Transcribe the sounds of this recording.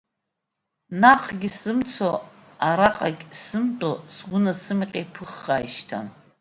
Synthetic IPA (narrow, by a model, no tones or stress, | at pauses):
naqʼʰɡʲisɨmt͡sʰoaɾaqʼakʲsɨmtʼosʁʷʊnasɨmqʲʼejpʰɨχːajʃtʰa̰n